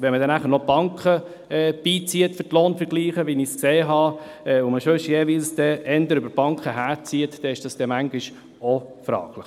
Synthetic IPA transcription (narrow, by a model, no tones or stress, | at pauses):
ʋɛnmədɛnæχəɾnɔb̥ɑŋkχə | ɛːb̥iːt͡siətfʏtloːnfəɾɡ̥liːχəʋiniskseːɦɑ | ɛːʊməʃøʃjeːʋilsd̥̪ɛɛndəɾʏbəɾb̥ɑŋkʰχəɦæːɾt͡siətd̥ɛɪʃd̥ɑsd̥ɛmæŋɡɪʃ | ofɾɑ̰ːɡlɪχ